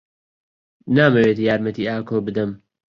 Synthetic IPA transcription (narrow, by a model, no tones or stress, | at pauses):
naːmɐweːt̪ːjaːɾmɐt̪iːaːkʰoːbɨd̪ɨm